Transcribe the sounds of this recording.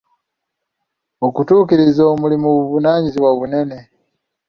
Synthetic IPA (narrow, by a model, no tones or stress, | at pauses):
okutuːkiɾizoːmulimuβuβunaːɲiziwaβune̞ne̞